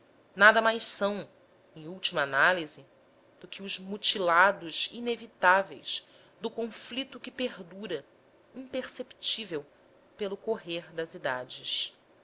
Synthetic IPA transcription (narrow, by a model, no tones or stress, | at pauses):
nad̪ɐmajʃsɐ̃w̃ | ẽj̃uwt͡ʃimɐːnalizɪ | d̪̥ʊkʰɪʊzmut͡ʃilad̪ʊzinevit̪avḛjs | d̪ʊkõflit̪ʊkɪpeɦd̪uɾɐ | ĩpeɾsept͡ʃivew | pelʊkoɦeɾd̪ɐzid̪ad͡ʒɪs